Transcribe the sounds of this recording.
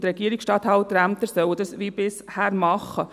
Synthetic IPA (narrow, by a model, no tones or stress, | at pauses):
tɾɛɡ̥iəɾiksʃtɑːt̪hɑlt̪ɾæmt̪əɾsœwədɑsʋiːb̥ɪshæːɾmɑχə